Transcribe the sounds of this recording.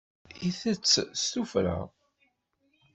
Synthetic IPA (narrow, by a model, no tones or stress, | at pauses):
iθət͡sːst̪ufɾa̰